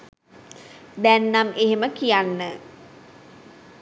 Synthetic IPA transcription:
d̪ænːameɦeməkijanːə

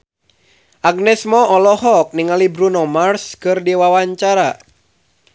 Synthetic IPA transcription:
ʔaɡ̚nɛsmɔɔlɔɦɔk̚niŋalibɾunɔmarskɨrdiwawaɲt͡ʃaɾa

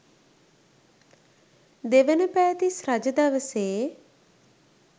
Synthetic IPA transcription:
d̪eʋənəpæːt̪isɾad͡ʒəd̪aʋəseː

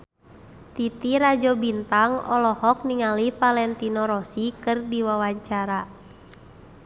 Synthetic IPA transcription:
t̪it̪iɾad͡ʒɔbint̪aŋɔ̰lɔhɔk̚niŋalifalɛnt̪inɔɾɔsikɨrdiwawaɲt͡ʃaɾa

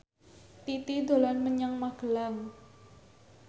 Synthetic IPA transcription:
t̪it̪idolanməɲaŋmaɡ̥əlaŋ

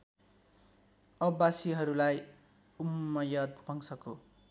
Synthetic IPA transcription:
ʌbasiɦʌɾulaj | umːʌjʌd̪̚pʌŋsʌko

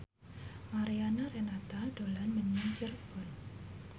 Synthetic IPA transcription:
maɾianaɾenat̪ad̥olanməɲiŋt͡ʃərb̥ɔn

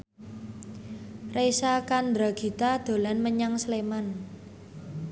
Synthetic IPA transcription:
resakand̪ɾaɡ̥i̤t̪ad̪̥o̤lanməɲaŋsleman

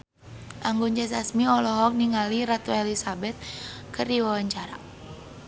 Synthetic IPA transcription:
ʔaŋɡund͡ʒɛs̬asmiɔlɔɦɔk̚niŋaliɾat̪uɛlisabɛt̪̚kərdiwawaɲt͡ʃaɾa̰

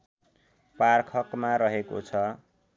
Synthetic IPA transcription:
parkʰʌkmaɾʌɦeko̰t͡sʰʌ

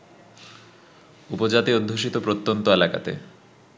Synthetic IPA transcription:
upod͡ʑat̪iod̪ʱːoʃ̬it̪opɾot̪ːont̪oelaka̰t̪ḛ

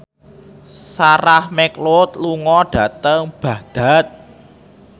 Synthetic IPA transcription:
saɾahmɛklʊt̪luŋɔɖ̥ä̤t̪əŋb̥ä̤d̪̥a̤t̪̚

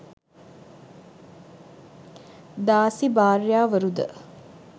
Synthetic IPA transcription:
d̪aːsibaːrjaːʋəɾud̪ə̰

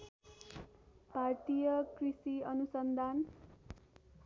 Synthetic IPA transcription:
part̪ijʌkrisiʌnusʌnd̪ʱan

